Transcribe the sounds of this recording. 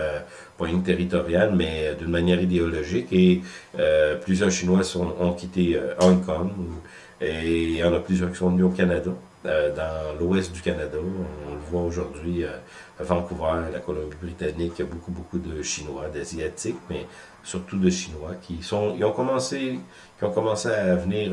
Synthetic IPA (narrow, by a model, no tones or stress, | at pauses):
ø | pɛ̃iŋt̪eʁit̪ɔʁjalmɛd̪ynmanjɛːʁid̪eɔlɔʒikeøplyzjœʁʃinwasɔ̃ɔ̃kʲʰit̪eøʔɔ̃kʰɔm | eɑ̃naplyzjœʁkʲi̥sɔ̃nyokanad̪a | ød̪ɑ̃lwɛst̪̚d̪ykanad̪aɔ̃ɔ̃ləvwaoʒuʁd̪ɥiø | əvɑ̃kuvala̰kɔlɔ̃bibʁit̪anikːjabokubokud̪əʃinwad̪azjat̪ikmɛ | syʁt̪ud̪əʃinwakʲʰisɔ̃iɔ̃kɔmɑ̃se | kʲiɔ̃kɔmɑ̃seavəniːʁ